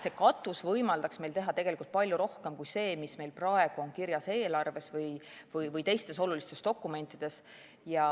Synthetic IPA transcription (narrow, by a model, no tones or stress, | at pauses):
se̞kɑt̪ːˑusvɤjmɑld̪ɑksme̞jlt̪e̞ɦɑt̪eɡelikult̪̚pɑlʲjuɾo̞hke̞mkujse̞ːmisme̞jlprɑe̞ɡ̥uo̞ŋkiɾjɑse̞ːlɑrve̞svɤjvɯjvɯjt̪e̞jst̪e̞so̞lulist̪e̞st̪o̞kːˑume̞nʲt̪ːˑid̪̥e̞s | jɑ